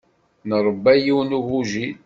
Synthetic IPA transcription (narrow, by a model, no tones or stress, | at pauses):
nəɾˤəbːæjiwnuɣuʒi